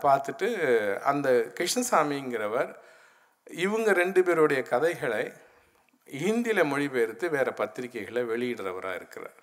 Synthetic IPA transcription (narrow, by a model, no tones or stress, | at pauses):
paːɾt̪ɯʈːɯɐ̰nd̪ɐkɪʂnɐsaːmiɪŋɡɪɾɐʋɐɾ | ɪʋɯŋɡɐɾɛɳɖɯpeːɾɯɽɐjɐkɐðɐɪɣɐɭɐɪ | iːnd̪ɪlɐmɔɻiʋeːɾɯt̪ːɯʋeːɾɛpɐt̪ːɪɾɪkːɐɪɣɐɭɐʋɛɭɪjɪɽrɐʋɐɾa̰ːɪ̰ɾɯkːɪrɐ̰ɾ